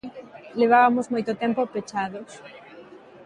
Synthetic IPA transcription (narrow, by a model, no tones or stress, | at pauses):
leβ̞aβamozmojt̪ot̪ɛmpopet͡ʃaðos